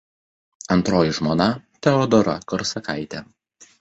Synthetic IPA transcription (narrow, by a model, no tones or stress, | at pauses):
ɐnt̪ɾoːjɪʒmoːnɐt̪ʲɛɔd̪ɔɾɐ̰kɔɾsɐkaɪt̪ʲɛ